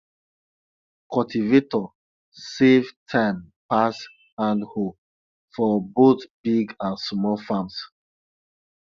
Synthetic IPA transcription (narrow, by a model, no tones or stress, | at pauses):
kɔltivetɔ | sevtʰãɪ̃mpas | hãndho | fɔbotbiɡãnsmɔlfãms